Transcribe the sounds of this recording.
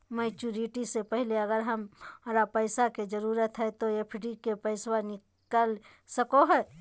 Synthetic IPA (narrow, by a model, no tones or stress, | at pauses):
mɛːt͡ʃuɾiʈisepɛɦleɐɡəɾɦɐmɾapɛɪsaked͡ʒəɾuːɾət̪ɦɛt̪ojepʰɪɖikepɛɪswanɪ | kəl | səkoɦɛː